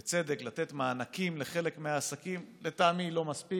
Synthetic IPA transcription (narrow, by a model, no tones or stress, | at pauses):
t͡se̞d̪eklat̪et̪maːnakimle̞χe̞le̞kmeaːsakimlet̪aːmilo̞maspi